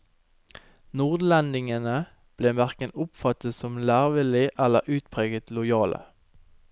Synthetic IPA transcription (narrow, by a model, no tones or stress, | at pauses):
nuːʁd̪lɛnd̪ɪŋənə | b̥leːmæʁkənʊpfɑt̪əsɔmlæːʁʋɪlɪʔɛlə̰ʔʉːt̪pʰʁeːɡət̪lʊjɑːlə̰